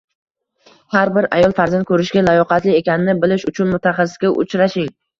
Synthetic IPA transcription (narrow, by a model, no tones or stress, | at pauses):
haɾbɪɾa̰jɒlˠfaɾzant̪kʰɵɾɪʃɡʲalajɒqʰɑt̪lɪe̞kʲanɪnɪbɪlɪʃʊt͡ʃʰʊnmʊt̪ʰaχɑsɪ̥sɡʲaʔʊ̰t͡ʃʰɾaʃɪŋ